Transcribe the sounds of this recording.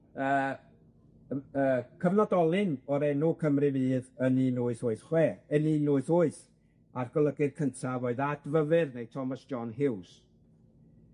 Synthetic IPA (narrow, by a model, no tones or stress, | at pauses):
əː | əːkʰəvnɔdɔlˠɪnɔɾɛnukʰəmrɨviːðəninʊːɨθʊːɨθχwɛːəninʊːɨθʊɨθ | arɡ̥ɔlˠəɡɪðkʰəntʰavoɨðadvəvɨrnejtʰɔmasd͡ʒɔnɦɪws